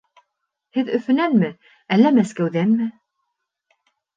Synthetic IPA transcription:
hɘðɵfɵ̆nænmɘ | ælːæmæskæwðænmɘ

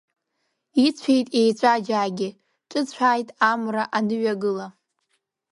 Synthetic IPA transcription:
it͡sʷʰe̞jtʼe̞jt͡ɕʷʼad͡ʒaːɡʲɪ | ʈ͡ʂʼɨt͡ɕʷʰaːjtʼamraʔanɨɥaɡɨla

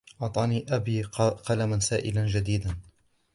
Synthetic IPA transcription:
ʔɑʕt̪ˤɑːniːʔabiːqɑlamansaːʔɪland͡ʒad̪iːd̪an

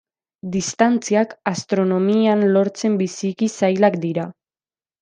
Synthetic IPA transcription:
d̪ist̪ant͡siakast̪ɾo̞no̞mianlo̞ɾt͡se̞mbisikisajlakd̪iɾa

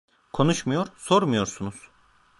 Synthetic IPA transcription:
kʰo̞nuʃmujo̞ɾsoɾmujo̞ɾsunuz̥

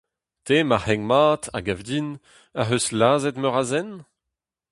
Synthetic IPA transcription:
t̪eːmahɛŋmaːt̪ʰa̰ɡavdin | aɦøslaːzɛt̪mœʁazɛn

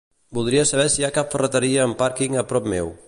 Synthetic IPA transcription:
bulˠd̪ɾiəsəβ̞ɛsiakapfərət̪əɾiəːmpaɾkiŋəpɾɔp̚mɛw

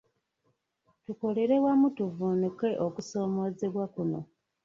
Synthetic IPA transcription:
tuko̞le̞ɾe̞wamutuvuːnuke̞ʔokuso̞ːmo̞ːze̞βwakuno̞̰

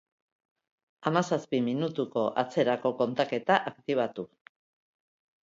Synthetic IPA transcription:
amasaspiminut̪uko̞ʔat͡se̞ɾako̞ko̞nt̪ake̞t̪aʔakt̪iβ̞at̪u

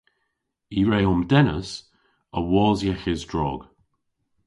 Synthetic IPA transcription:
iɹeːʊmdɛnə̰s | əwɔːzjɛxɪzdɹɔ̰ːɡ̥

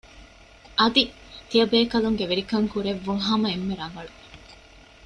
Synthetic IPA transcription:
ʔɐd̪i | t̪ijɐbeːkɐluŋɡeʋeɾikɐŋkuɾeʋːuŋɦɐmɐemːeɾɐŋɡɐɭu

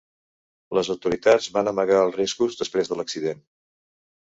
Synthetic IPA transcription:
ləzəwt̪uɾit̪ad͡zβanəməɣaəlˠriskuzðəspɾezðələksiðen

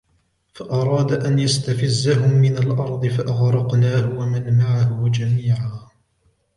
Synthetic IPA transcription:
faʔɑɾˤɑːd̪aʔanjast̪afɪzːaɦʊmːɪnalʔɑɾˤd̪ˤɨfaʔaɣɾˤɑqnaːhʊwamanmaʕahʊd͡ʒamiːʕaː

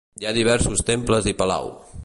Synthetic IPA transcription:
jaðiβ̞ɛɾsust̪empləzðipəla̰w

